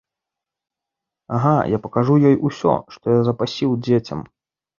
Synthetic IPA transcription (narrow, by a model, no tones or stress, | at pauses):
aɦajapɐkaʐujɔjʔusʲɔ̰ʂt̪ɔjazɐpasʲiwd͡zʲet͡sʲɐ̰m